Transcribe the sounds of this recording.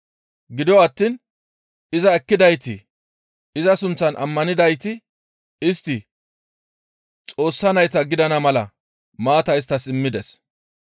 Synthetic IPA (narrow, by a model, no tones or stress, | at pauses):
ɡɪd̪ɪwɐt̪ːiːn | ɪzɐɛkːɪd̪ɐjt̪ɪ | ɪzɐsʊnt͡sːɐnʔɐ̰mːɐnɪd̪ɐjt̪ɪ | ɪst̪ːɪ | t͡sʼo̞ːsːɐnɐjt̪ɐɡɪd̪ɐnɐmɐlɐ | maːt̪ɐɪs̬t̪ːɐsɪmːɪd̪ɛs